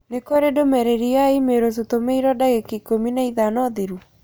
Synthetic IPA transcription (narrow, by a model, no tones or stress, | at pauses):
nekweɾedomɛɾeɾiaimeɾos̬otomeiɾɔdaɣekikominaiðanɔðeɾu